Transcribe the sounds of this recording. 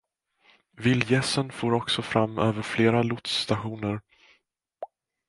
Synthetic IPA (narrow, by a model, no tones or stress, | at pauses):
vɪlːjɛsːənfoːɾɔksɔfɾamːøːvəɾfleːɾalʊt̪st̪aɧuːnəɾ